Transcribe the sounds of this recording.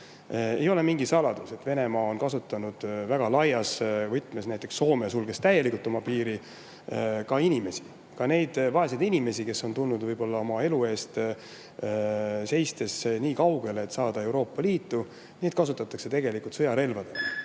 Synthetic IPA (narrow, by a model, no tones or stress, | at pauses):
e̞̰jo̞le̞miŋɡ̥isɑlɑd̪̥use̞t̪ːve̞ne̞mɑːo̞nkɑsut̪ːˑɑnud̪̥væɡ̥ɑlɑjɑsvɤjt̪ːˑme̞snæjt̪ːˑeksːo̞ːmeɑsulɡ̥e̞st̪æje̞likult̪ːˑo̞mɑpiːɾi | kɑinʲime̞si | kɑne̞jd̪̥vɑesɑjd̪inʲime̞sike̞sːo̞nt̪ulnːud̪vɯjbo̞lːɑo̞mɑe̞lue̞ːst̪ | se̞jst̪e̞sniːkɑwɡ̥e̞leːt̪sɑːd̪ɑe̞wɾo̞ːpːɑliːt̪ːu | niːt̪̚kɑsut̪ːˑɑt̪ːˑɑkse̞t̪e̞ɡ̥e̞likult̪sɤjɑɾe̞lvɑd̪̥e̞ll